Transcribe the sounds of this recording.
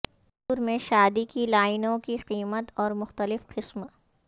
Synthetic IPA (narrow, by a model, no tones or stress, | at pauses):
ɾmẽʃaːd̪ikilaːɪnõkiqiːmət̪ɔːɾmʊxt̪əlɪfqɪsm